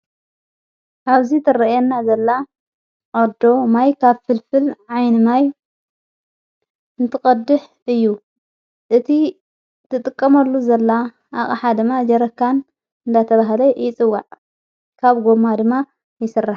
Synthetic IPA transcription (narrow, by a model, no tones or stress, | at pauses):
ʔaβzit̪ʰɨɾɐjenːazɐlːa | ʔod̪o̞majkʰaβfɨlfɨlʕajnɨmaj | ɨnt̪ʰɨχʼɐd̪ɨħ | ɨjːu | ʔɨt̪ʰi | t̪ʰɨt̪ʼɨkʼːɐmɐlːuzɐlːa | ʔaχʼɐħad̪ɨmːad͡ʒɐɾɐkːan | ɨnd̪at̪ʰɐβaɦlɐjɪt͡sʼɨwːaʕ | kʰaβɡo̞mad̪ɨmːa | jɪsɨrːaħ